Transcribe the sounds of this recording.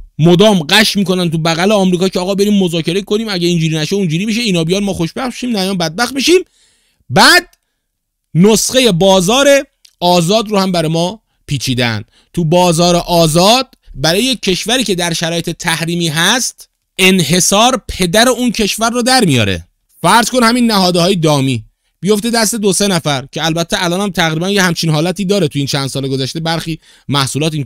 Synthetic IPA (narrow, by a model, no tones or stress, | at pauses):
mod̪ɒːmɢæʃmiːko̞nænt̪ʰubæɣæleɒːmɾiːkɒːcʰeːɣɒːbe̞ɾiːmːo̞zɒːcʰe̞ɾekʰo̞niːmæɟæiːnd͡ʒuːɾiːnæʃeund͡ʒuːɾiːmiʃ̬eiːnɒːbijɒnmɒːxo̞ʃbæxʃiːmnæjɒːnbæd̪̚bæxt̪̚miʃiːm | bæːd̪̚ | nosɢe̞je̞bɒːzɒːɾe̞ | ɒːzɒːd̪ɾoːhæmbæɾɒjmɒː | pʰiːt͡ʃʰiːd̪ḛn | t̪ʰubɒːzɒːɾeʔɒːzɒːd̪̥̚bæɾɒːjecʰːe̞ʃvæɾiːce̞d̪æɾʃæɾɒːje̞t̪ʰe̞t̪ʰæhɾiːmiːɦæst̪ | e̞nhe̞sɒːɾpʰe̞d̪æɾeuncʰe̞ʃvæɾːod̪æɾmijɒ̰ːɾḛ | fæɾzko̞nhæmiːnːæɦɒːd̪ɒːjed̪ɒːmiː | b̥ijo̞ft̪ed̪æst̪e̞d̪ose̞næfæɾcʰeælbæt̪ʰːeælɒːnhæmt̪ʰæɣɾiːbænjehæmt͡ʃʰiːnɦɒːlæt̪ʰiːd̪ɒːɾet̪ʰujiːnt͡ʃʰænd̪sɒːleɡozæʃt̪e̞bæɾxiː | mæhsuːlɒːt̪in